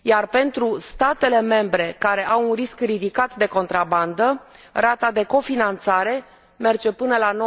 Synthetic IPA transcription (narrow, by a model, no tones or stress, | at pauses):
jarpe̞nt̪ɾust̪at̪e̞le̞me̞mbɾe̞kaɾe̞ʔawunriskrid̪ikat̪d̪e̞ko̞nt̪ɾaband̪ə | rat̪ad̪e̞ko̞finant̪saɾe̞ | me̞rd͡ʒe̞pɨnəlano